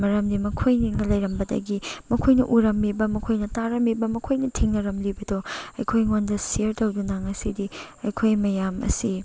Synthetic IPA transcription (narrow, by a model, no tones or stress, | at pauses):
mɐɾɐmdimɐkʰojniŋɐlɐjɾɐmbɐdɐ̰ɡimɐkʰojnɐ̰ʔuɾɐmːibɐmɐkʰojnɐtaɾɐmibɐmɐkʰojnɐtʰiŋnɐɾɐmlibɐdoɐjkʰojŋondɐsieɾtɐwdunaŋɐsidiɐjkʰojmɐjamɐ̰si